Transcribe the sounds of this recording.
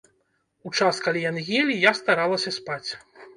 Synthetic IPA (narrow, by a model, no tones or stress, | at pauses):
ut͡ʂaskalʲijanɣʲelʲijast̪aɾalˠɐsʲɐspat͡sʲ